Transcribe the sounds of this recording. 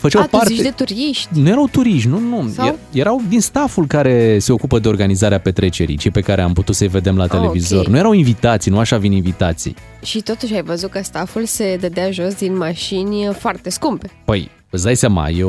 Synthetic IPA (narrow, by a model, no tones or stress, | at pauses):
fət͡ʃawtpartʃd̪et̪uɾiʃt̪ʲnuje̞ɾawt̪uɾiʃnunueje̞ɾawd̪inst̪afulkaɾe̞se̞o̞kupəd̪e̞o̞rɡanizaɾeape̞t̪ɾe̞t͡ʃe̞ɾḭjt͡ʃejpe̞kaɾeamput̪ut̪səjve̞d̪e̞mlat̪elevizo̞rnuje̞ɾawinvit̪at̪sijnuaʃavininvit̪at̪sḭj | ʃit̪o̞t̪uʃʲajvəzut̪̚kəst̪afulse̞d̪əd̪eaʒo̞sd̪inmaʃinʲfoart̪eskumpepəj | əzd̪ajsama̰jew